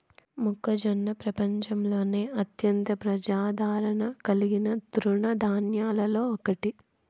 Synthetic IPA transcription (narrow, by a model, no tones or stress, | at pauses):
mukːɐd͡ʒɐnːɐpɾɐpɐɲt͡ʃɐmlo̞ːne̞ːʔɐt̪jɐnt̪ɐpɾɐd͡ʒaːd̪ʱaːɾɐɳɐkɐliɡinɐd̪ɾuɳɐd̪ʱaːnjaːlɐlo̞ːɔkɐʈi